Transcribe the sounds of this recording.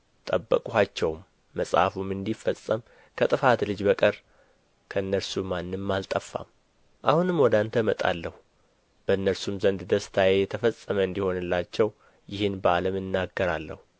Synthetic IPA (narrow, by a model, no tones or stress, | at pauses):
t̪ʼəbːə̰kʼuhat͡ʃːɛwmː | əsʼha̰fumɨnd̪ifəsʼːəm | kʰət̪ʼɨfat̪lɨd͡ʒbəkʼəɾ | kʰəɨnːəɾsumanːɨmːalt̪ʼəfːa̰m | ʔahunɨmwɔd̪ant̪ʰəmət̪ʼa̰lːəhu | b̥əɨnːəɾsumzənd̪d̪əst̪ʰajejɛt̪ʰəfəsʼːəməɨnd̪iho̞nɨlːat͡ʃːɛw | jɪhɨnbəaləmɨnːaɡːəɾalːə̰hu